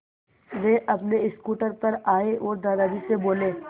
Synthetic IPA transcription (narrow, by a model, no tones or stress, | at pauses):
ʋeʔɐpneɪskuːʈəɾpɐɾaːeʔɔːɾd̪aːd̪aːdiseboːleː